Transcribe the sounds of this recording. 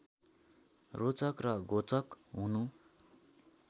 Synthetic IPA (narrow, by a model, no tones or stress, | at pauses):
rot͡sʌkrʌɡʱot͡sʌkɦunu